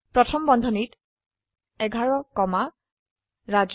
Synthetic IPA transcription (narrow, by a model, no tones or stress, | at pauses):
pɹɔtʰɔmbɔndʱɔnit | ɛɡʱaɹɔkɔma | ɹad͡ʒ